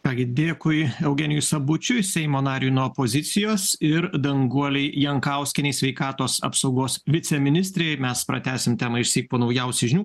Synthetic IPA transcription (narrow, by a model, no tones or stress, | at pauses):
kɑːɡʲɪd̪ʲeːkʊɪɛʊɡʲɛnʲɪjʊsɐbʊt͡ʃʲʊsʲɛɪmoːnɑːɾʲunuɔpoːzʲɪt̪sʲɪjoːsɪɾd̪ɐŋɡuɔlʲɛɪjɛŋkɐʊsʲkʲɪnʲɛɪsʲʋʲɛɪkɑːt̪oːsɐ̰psɐʊɡoːsʋʲɪt̪sʲɛmʲɪnʲɪsʲt̪ʲɾʲeːjmʲɛspɾɐ̰t̪ʲæːsʲɪmt̪ʲæːmɐɪʃʲsʲiːk̚poːnɐʊjɛʊsʲɪʒʲɪnʲuː